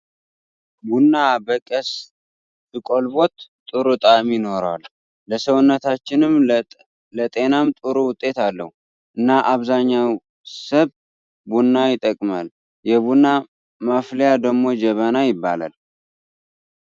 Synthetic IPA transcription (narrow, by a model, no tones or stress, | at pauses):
bunːabəkʼəs | t̪ɨkʼo̞lbo̞t̪t̪ʼɨɾut̪ʼamino̞ɾalː | əsəwʊnːət̪at͡ʃːɪnɨm | lət̪ʼe̞namt̪ʼɨɾuwʊt̪ʼːe̞t̪alːə̰hu | ʔɨnːaʔaβzaɲːaw | səβ | bunːajɪt̪ʼːəkʼmal | jɛβunːa | maflejad̪əɡmo̞d͡ʒɛβanajɪbːa̰la̰l